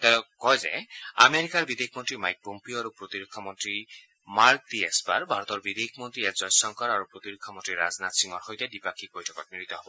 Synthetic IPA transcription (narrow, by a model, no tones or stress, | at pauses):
t̪ɛkɔjzɛ̰a̰meɹikaɹbid̪ekʰmɔntɹimajk̚pompioaɹupɹot̪iɾokʰːɔmɔntɹi | maɹk̚diɛsba̰ɹbʱaɹɔt̪ɔɹbid̪ekʰmɔntɹiɛkzɔjsɔŋkɔɾaɹupɹot̪iɹokʰːɔmɔntɹiɹa̰znat̪siŋɔɹxojt̪ɛdipakʰik̚bɔjtʰɔ̥kɔt̚niɹit̪ɔɦɔbɔ